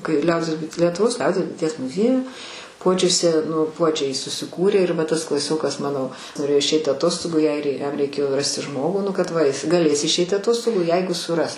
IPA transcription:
kɐɪ ˈlʲɛʊdʲiɛs bʊɪ lʲiɛtʊˈʋoːs ˈlʲɛʊdʲiɛs bʊɪˈtʲiɛs mʊˈzʲiɛjʊ ˈpuɔd͡ʒʲʊsʲɛ nʊ ˈpuɔd͡ʒʲɛɪ sʊsʲɪˈkuːrʲeː ɪr ˈʋɐ ˈtɐs klˠɐˈsʲoːkɐs ˈmɑːnoː noːˈrʲeːjoː ɪʃʲˈɛɪtʲ ɐˈtoːstoːɡʊ ɪ ˈɐɪr ɪ jɛm rʲɛɪˈkʲeːjoː ˈrɑːsʲtʲɪ ˈʒmoːɡuː ˈnʊ kɐt ˈʋɐ ˈjɪs ɡɐˈlʲeːs ɪʃʲˈɛɪtʲɪ ɐˈtoːstoːɡuː ˈjɛɪɡʊ sʊˈrɐs

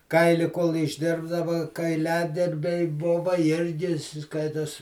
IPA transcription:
ˈkɐɪlʲɪ koːlˠ ɪʒʲˈdʲɪrbdɐʋɐ kɐɪˈlʲæːdʲɪrʲbʲɛɪ ˈbʊʋɐ ˈɪrʲɡʲɪ ˈskɐɪtoːs

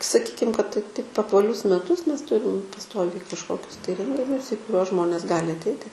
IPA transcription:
sɐˈkʲiːkʲɪm kɐt tʲɪ tɐɪp ɐpʋɐˈlʲʊs mʲɛˈtʊs ˈmʲɛs ˈtʊrʲɪm pɐˈstoːʋʲɛɪ kɐʃˈkoːkʲʊs tɐɪ ˈrʲɛŋʲɡʲɪnʲʊs iː kʊˈrʲuɔs ˈʒmoːnʲeːs ˈɡɑːlʲɪ ɐtʲˈɛɪtʲɪ

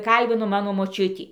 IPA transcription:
ˈkɐlʲbʲɪnoː ˈmɑːnoː moːˈt͡ʃʲʊtʲiː

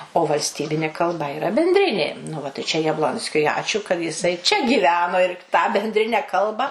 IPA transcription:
oː ʋɐlʲsʲˈtʲiːbʲɪnʲeː kɐlˠˈbɐ ɪˈrɐ bʲɛnʲdʲˈrʲɪnʲeː nʊ ˈʋɐ tɐɪ t͡ʃʲɛ jɛbˈlˠoːnʲsʲkʲʊɪ ˈɑːt͡ʃʲuː kɐt jɪˈsɐɪ t͡ʃʲɛ ɡʲiːˈʋʲæːnoː ɪr tɑː bʲɛnʲdʲˈrʲɪnʲɛ ˈkɐlˠbɐ

